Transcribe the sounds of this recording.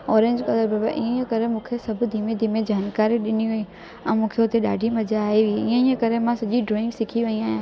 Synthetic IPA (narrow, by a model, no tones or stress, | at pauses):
ɔːɾẽɲd͡ʑkɐd̪əɾbaba̰ʔĩːə̃kɐɾemũːkʰesɐbʱʊd̪ʱiːmẽd̪ʱimẽd͡ʑaːnkaːɾiɗɪniʋeĩ | ɛ̃ːmũːkʰeʊt̪eɗa̰ːɖʱimɐd͡ʒaːiʋiiːə̃iːə̃kɐɾemãsɐʄiɖɾoːɪ̃ŋɡsɪkʰiʋɐĩaːɦijãː